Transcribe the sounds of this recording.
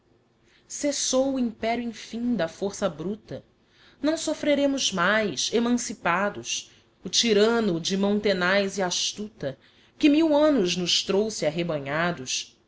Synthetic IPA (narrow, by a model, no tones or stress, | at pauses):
sesowʊĩpɛɾjuẽfĩŋd̪ɐfoɾsɐbɾut̪ɐ | nɐ̃w̃sofɾeɾẽmʊzmajsemɐ̃sipad̪ʊs | ʊt͡ʃiɾɐ̃nʊd͡ʒɪmõñt̪enajziaʃt̪ut̪ɐ | kɪmiwɐ̃nʊznʊʃt̪ɾowsɪaɦebɐ̃ɲad̪ʊs